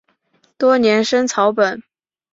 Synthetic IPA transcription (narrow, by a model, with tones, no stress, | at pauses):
t̪wɔ˥njɛ˧˥nʂə˥ŋt͡sʰɑ˧˥ʊpə˨˩˦n